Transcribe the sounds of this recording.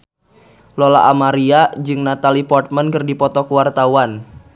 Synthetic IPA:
lola̰ʔamaɾiad͡ʒɨŋnat̪alipɔrt̪̚mənkɨrdipɔt̪ɔkuwart̪awan

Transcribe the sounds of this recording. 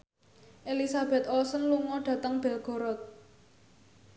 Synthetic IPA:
ʔelisab̥ɛ̤t̪ɔlsənluŋɔɖ̥ä̤t̪əŋb̥ɛ̤lɡ̥ɔ̤ɾɔt̪̚

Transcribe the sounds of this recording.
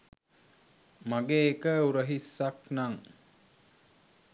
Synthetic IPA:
maɡeːkəuɾəɦisːaknaŋ

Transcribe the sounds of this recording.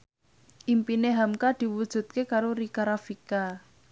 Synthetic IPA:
ʔimpineɦamkad̪̥i̤wud̥ʒ̥ṳt̪̚kekaɾoɾikaɾafika

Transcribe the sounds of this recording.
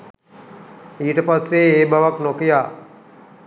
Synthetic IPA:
iːʈəpasːeeːbʱaʋaknokijaː

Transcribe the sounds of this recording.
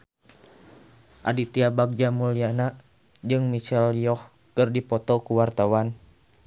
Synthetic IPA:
ʔa̰dit̪iabaɡ̚d͡ʒamuliana | d͡ʒɨŋmit͡ʃɛlijɔh | kɨrdipɔt̪ɔkuwart̪awan

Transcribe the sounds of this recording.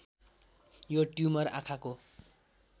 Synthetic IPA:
joʈjumʌra̰kʰako

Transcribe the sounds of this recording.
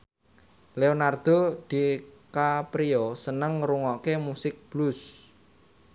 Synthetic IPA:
leonard̪̥od̪̥i̤kapɾiosənəŋɾuŋɔkemusɪk̚b̥lʊs

